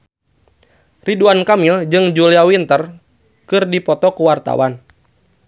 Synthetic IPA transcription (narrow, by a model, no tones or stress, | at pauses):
riduankamild͡ʒɨŋd͡ʒuliawint̪ər | kɨrdipɔt̪ɔkuwart̪a̰wan